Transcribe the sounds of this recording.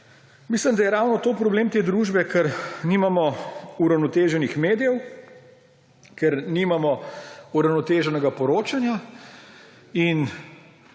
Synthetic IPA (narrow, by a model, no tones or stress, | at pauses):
mislimd̪ajɛɾawnɔt̪oːpɾɔbleːmt̪eːd̪ɾuʒbɛkʰɛɾnimamɔuɾawnot̪eːʒɛnixmeːd̪ijɛw | kɛɾniːmamɔuɾawnɔt̪eːʒɛnɛɡapɔɾoːt͡ʃanja | in